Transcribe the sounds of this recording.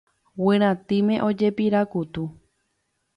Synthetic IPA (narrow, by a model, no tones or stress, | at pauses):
wɨ̃ɾ̃ãt̪imẽ̞ʔo̞d͡ʒe̞piɾakut̪u